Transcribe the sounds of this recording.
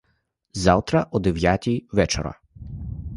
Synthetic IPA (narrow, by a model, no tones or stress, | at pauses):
zawt̪ɾɐʔɔd̪ɛʋʲjatʲijʋɛt͡ʃɔ̰ɾɐ̰